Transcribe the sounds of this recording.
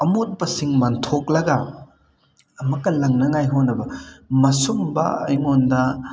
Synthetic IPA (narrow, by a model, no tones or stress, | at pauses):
ɐmot̚bɐsiŋmantʰoklɐɡɐ | ɐmɐkːɐlɐŋnɐŋajɦonɐbɐmɐsumbɐ̰ɐ̰jmondɐ